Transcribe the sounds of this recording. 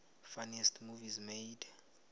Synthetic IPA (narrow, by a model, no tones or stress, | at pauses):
fanɛstʰmuvizmejd